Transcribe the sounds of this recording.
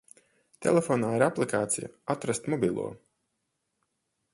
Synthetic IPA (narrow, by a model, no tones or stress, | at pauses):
t̪ʰḛlʲefoːnaːiɾaplˠikaːt̪sḭja̰at̪ɾast̪mɔbʲilˠṵɔ